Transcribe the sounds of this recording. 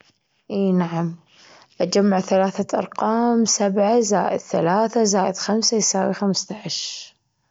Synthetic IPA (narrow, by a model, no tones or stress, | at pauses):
ʔiːnaʕam | ʔad͡ʒamːaʕθalaːθaʔɑ̰ɾˤqɑːmsabʕazaːʔɪ̰d̪̥θa̰laːθazaːʔɪd̪xamsajsaːwixamst̪aʕaʃ